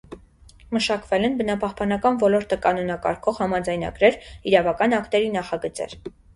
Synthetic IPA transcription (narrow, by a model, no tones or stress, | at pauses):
məʃɑkvɛlɛnbənɑpɑhpɑn̪ɑkɑnvɔlɔɾt̪əkɑnɔnɑkɑ̰ɾkʰɔʁhɑmɑd͡zɑjnɑ̰ɡɾɛɾiɾɑvɑkɑnɑkt̪ɛɾinɑχɑɡət͡sɛ̰ɾ